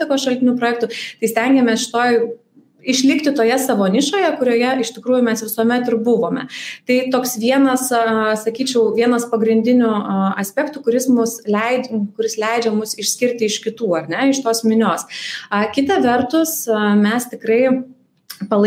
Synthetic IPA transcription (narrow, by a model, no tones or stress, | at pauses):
t̪ʲɪkoːsʃɐlʲt̪ʲɪnʲuːpɾoːjɛk̚t̪uːt̪ɐɪsʲt̪ʲɛŋʲɡʲɛmʲɛsʃʲɪ̥t̪oːj | ɪʃʲlʲɪkt̪ʲɪt̪oːjɛsɐʋoːnʲɪʃoːjɛkʊɾʲoːjɛɪʃt̪ʲɪkɾuːjʊmʲɛsʋʲɪsuːmʲɛt̪ɪrbʊʋoːmʲɛ̰t̪ɐɪt̪oːksʋʲiɛnɐssɐkʲiːt͡ʃʲɛʊʋʲiɛnɐspɐɡɾʲɪnʲd̪ʲɪnʲʊɐsʲpʲɛkt̪uːkʊɾʲɪsmʊslʲɛɪkʊɾʲɪslʲɛɪd͡ʒʲɛmʊsɪʃʲsʲkʲɪɾʲt̪ʲɪɪʃkʲɪt̪uːɐrʲnʲɛɪʃt̪oːsmʲɪnʲoːsɐkʲɪt̪ɐʋʲɛrt̪ʊsmʲɛst̪ʲɪkɾɐɪ | pɐlˠ